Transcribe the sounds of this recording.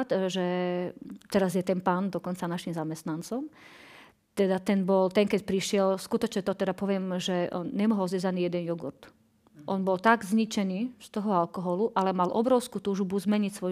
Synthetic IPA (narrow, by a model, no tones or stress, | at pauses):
t̪ʒɛ | t̪ɛɾazjɛt̪ɛnpaːnd̪ɔkɔnt͡sanaʃimzamɛst̪nant͡sɔm | t̪ɛd̪at̪ɛnbɔlt̪ɛnkɛcpɾiʃɪɛlskut̪ɔt͡ʃɲɛt̪ɔt̪ɛd̪apɔʋɪɛmʒɛʔɔnɲɛmɔɦɔlzʋɛzaniːjɛd̪ɛnjuɡṵɾt̪ | ʔɔnbɔlt̪aɡzɲit͡ʃɛniːst̪ɔɦɔalkɔɦɔluʔalɛmalʔɔ̰bɾɔʊskuːt̪uːʒbuzmɛɲicsʋɔ